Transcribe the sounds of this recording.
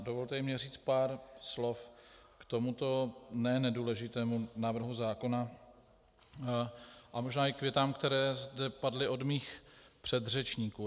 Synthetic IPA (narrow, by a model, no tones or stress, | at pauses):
dovolt̪ɛmɲɛr̝iːt͡st̪paːɾslo̞fkt̪o̞mut̪o̞nɛːnɛduːlɛʒɪt̪ɛːmunaːvr̩ɦuzaːko̞na | ʔamo̞ʒnaːɪkvjɛt̪aːmkt̪ɛɾɛːzdɛpadlɪʔo̞dmiːxpr̥ɛd̪r̝ɛt͡ʃɲiːkuː